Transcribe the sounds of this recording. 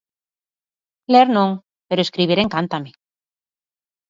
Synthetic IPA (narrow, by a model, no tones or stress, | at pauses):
leeɾnõŋ | peɾoeskɾiβiɾẽŋkant̪ame